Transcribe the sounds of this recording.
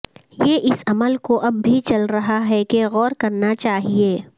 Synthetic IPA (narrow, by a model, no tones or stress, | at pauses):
jeːʔɪsɐməlkoʔɐbːʱit͡ʃɐlɾɐɦaɦɛkeɣɔːɾkɐɾnat͡ʃaːɦieː